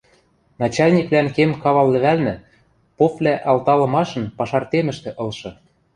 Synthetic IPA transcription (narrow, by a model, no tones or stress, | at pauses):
nɑt͡ɕɑlʲnʲiklænkemkɑβɑlːɘ̆βælnɘ̆ | poplʲæʔɑlt̪ɑlɤ̆mɑʃɤ̆npɑʃɑrt̪emə̆ʃt̪ĕʔɤ̆lˠʃɤ̆